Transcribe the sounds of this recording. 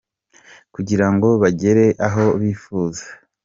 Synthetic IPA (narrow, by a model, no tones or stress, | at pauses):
kuɟiɾaŋɡo̞βaɟe̞ɾe̞ʔaɦo̞βiːfuːzḁ